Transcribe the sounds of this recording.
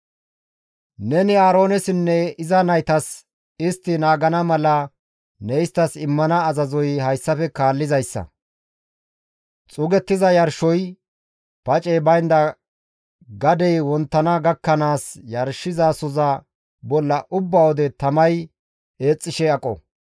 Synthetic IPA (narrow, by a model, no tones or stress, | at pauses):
nɛnɪaːɾo̞ːnɛsɪnːɛɪzɐnɐjt̪ɐs | ɪst̪ːɪnaːɡɐnɐmɐlɐ | nɛjɪst̪ːɐsɪmːɐnɐːzɐzɔjhɐjsːɐfɛkaːlːɪzɐjsːɐ̰ | t͡sʼʊɡɛt̪ːɪzɐjɐɾʃɔj | pɐt͡ʃʼɛjbɐjnd̪ɐ | ɡɐd̪ɛjwɔnt̪ːɐnɐɡɐkːɐnaːsjɐɾʃɪzaːsɔzɐ | bɔlːɐʔʊbːawɔd̪ɛt̪ɐmɐj | e̞ːt͡sʼːɪʃɛɐkʼɔ̰